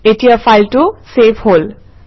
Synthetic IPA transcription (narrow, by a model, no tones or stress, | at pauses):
etijafajltʊsepʰhol